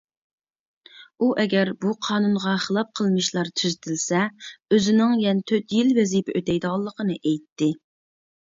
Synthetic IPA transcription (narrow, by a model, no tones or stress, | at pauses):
uʔɛɡʲɛɾbuqʰɑːnunʁɑχəlˠɑp̚qʰəlˠmɨʃlˠɑɾt̪ʰyzt̪ʰɪlsɛøzɪnɪŋjɛnt̪ʰøt̪jilvɛzipɛøt̪ɛjd̪ʁɑlˠːəqʰənɨʔejt̪ʰːɪ